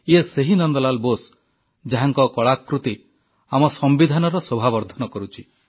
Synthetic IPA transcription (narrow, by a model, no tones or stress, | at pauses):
ieseɦinɔnd̪ɔlalbos | d͡ʒaɦaŋkɔkɔɭakːɾut̪i | amɔsɔmbid̪ʱanɔɾɔsobʱabɔɾd̪ʱɔnɔkɔɾut͡ʃʰi